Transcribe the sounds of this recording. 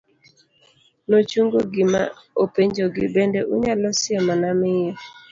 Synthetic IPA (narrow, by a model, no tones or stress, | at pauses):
not͡ʃuŋɡoɡɪma | opeɲd͡ʒoɡɪbendɛʔuɲalɔsɪɛmanamɪjɔ